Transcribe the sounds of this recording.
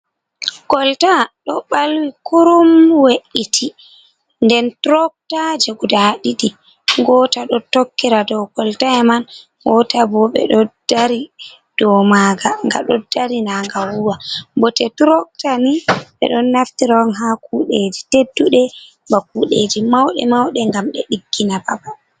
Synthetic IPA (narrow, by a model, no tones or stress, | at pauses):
kɔltaɗɔɓalwikuɾumweʔitʰi | ndɛntɾɔk̚tad͡ʒeɡudaɗiɗi | ɡɔtaɗɔtokːiɾadɔwkɔltaɛman | wɔtabɔɓɛ̰ɗɔd̥aɾi | d̥ɔmaɡaŋɡa̰ɗɔd̥aɾinaŋɡawuwabɔtɛtɾɔk̚taniɓɛ̰ɗɔnːaftiɾawɔnɦakuɗed͡ʒitedːuɗɛ | bak̚uɗed͡ʒimawɗɛ̰mawɗɛŋɡamɗɛ̰ɗiɡːinababa